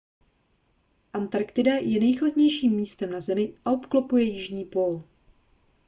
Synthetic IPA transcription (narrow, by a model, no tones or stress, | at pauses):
ʔant̪aɾkt̪ɪdajɛnɛjxlad̪ɲɛjʃiːmːiːst̪ɛmnazɛmɪʔaopklopujɛjɪʒɲiːpol